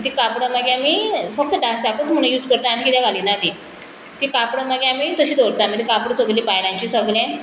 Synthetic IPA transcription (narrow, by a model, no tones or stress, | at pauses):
t̪ikapɽəməɡjamiːfək̚t̪əɖãsakət̪m̤əɽ̃ũjuːd͡zkəɾt̪aanikit̪jaɡʱaliːnat̪i | t̪ikapɽəməɡjaamiːt̪əɕiːd̪oɽt̪amit̪ikapɽəsəɡlipajlãɲt͡ɕiːsəɡljã